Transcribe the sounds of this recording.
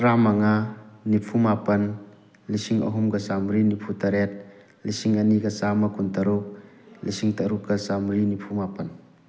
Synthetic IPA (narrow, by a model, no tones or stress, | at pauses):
ɾamaŋanipʰumapɐn | lisiŋa̰ɦumɡasamɾinipʰut̪ɐɾɛt̪̚ | lisiŋanikasamakunt̪ɐɾuk̚lisiŋt̪aɾukasamɾinipʰumapɐn